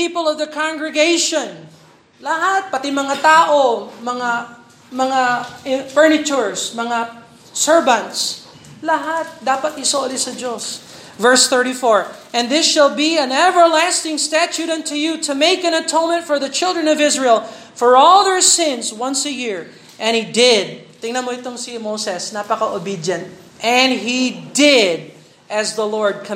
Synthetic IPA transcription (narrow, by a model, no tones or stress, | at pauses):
pipəlˠʌvðəkʰãŋɡɹɪɡeɪʃɔ̃n | lɐɦat̪̚pɐt̪ɪmɐŋat̪aːʔomɐŋa | mɐŋaɪ̃fɛɹnɪt͡ʃʊɹsmɐŋa | sɛɹvɐ̃nt̪s | lɐɦat̪̚d̪aːpɐt̪̚ɪsolɪsɐd͡ʒos | vɛɹsθɜ˞ɾifɔɹʔɛ̃nðɪsʃɐlˠbiɛ̃nɛvəɹlæst̪ɪ̃ŋst̪æt͡ʃuɾɐ̃nt̪ujut̪ʰʊmeɪkɛ̃nɐt̪ʰõʊ̃nmɛ̃nt̪fɔɹðɐt͡ʃɪlˠdɹə̃nɔvɪsɹɛlˠfɔɹɔlˠðəɹsɪ̃nswʌ̃nsəjiɹ | ʔɛ̃nhid̪ɪd̪̚t̪ɪŋnɐ̃nmoɪt̪oŋsimowsɛsnapɐkaʔobid̪jɐ̃nt̪̚ | ʔɛ̃nɦid̪ɪd̪̚ | ʔɐzðəlɔɹd̪̚kʰ